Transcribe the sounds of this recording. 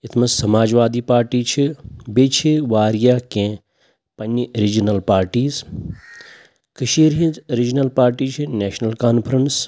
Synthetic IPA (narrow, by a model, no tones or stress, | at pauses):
it̪ʰmɐssɐmaːd͡ʒʋaːd̪iːpaːɾʈiːt͡ʃʰibeːt͡ʃʰiʋaːɾjaːkẽ | pɐniɾid͡ʒnɐlpaːɾʈiːz | kɐʃiːɾɦĩnzɾid͡ʒnɐlpaːɾʈiːt͡ʃʰineːʃnɐlkaːnpʰɾɐns